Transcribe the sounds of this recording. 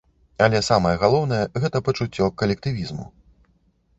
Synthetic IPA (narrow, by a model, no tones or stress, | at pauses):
alʲɛsamɐjɐɣalˠɔwn̪ɐjɛɣɛt̪ɐpɐt͡ʂut͡sʲːɔkːɐlʲɛk̚t̪ɨvʲizmṵ